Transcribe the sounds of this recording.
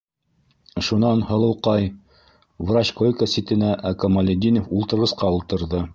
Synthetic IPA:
ʃunɑnhɤ̆lˠɤ̆wqɑj | vrat͡ɕkojkəsit̪ɘ̆næʔækomɐlʲed̪ʲinofulˠt̪ɤ̆ɾʁɤ̆sqɑulˠt̪ɤ̆ɾðɤ

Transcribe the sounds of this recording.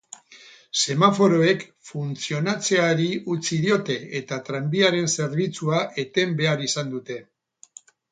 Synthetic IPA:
se̞mafo̞ɾo̞e̞kfunt͡sio̞nat͡se̞aɾiut͡siðio̞t̪e̞et̪at̪ɾambiaɾe̞nse̞ɾβ̞it͡suaʔe̞t̪e̞mbe̞aɾisand̪ut̪e̞

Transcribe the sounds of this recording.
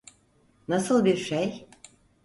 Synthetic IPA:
nasɯlˠbiɾʃej

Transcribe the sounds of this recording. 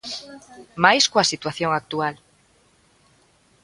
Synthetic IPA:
majskwasit̪waθjoŋak̚t̪ual

